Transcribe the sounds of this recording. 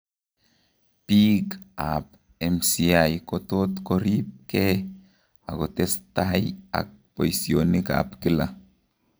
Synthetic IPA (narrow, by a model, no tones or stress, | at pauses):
pikap | emsiajkot̪ot̪koɾip̚ke | aɡot̪est̪aja̰k̚pojsjonika̰pkila̰